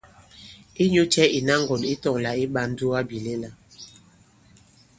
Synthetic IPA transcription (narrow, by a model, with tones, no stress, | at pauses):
i˦ɲo˦t͡ʃɛ˦i˨na˦ŋ˦ɡɔ˨ni˦tɔ˦˨ŋla˨i˦ɓa˦n̩˦du˦a˦bi˨le˦la˨